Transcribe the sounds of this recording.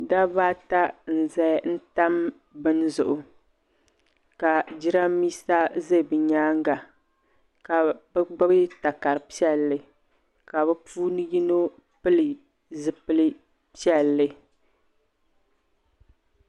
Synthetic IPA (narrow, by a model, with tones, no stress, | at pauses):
da˦ba˦ta˦n̩˨zɛ˦n̩˦ta˦m | bɨ˦nzʊ̰˨ʔʊ˨ | ka˨d͡ʒi˦ɾa˦miː˦sa˦ze˦˨bɨ˨ɲaː˦ŋɡa˨ | ka˨bɛ˦ɡ͡ba˦bɨ˦ta˨ka˨ɾɨ˨pi˦ɛ˦lːɨ˨ | ka˨bɛ˦puː˦nɨ˦ji˦no˦ | pɨ˦lɨ˨ | zɨ˨pɨ˦lɨ˦ | pi˦ɛ˦˨lːɨ˦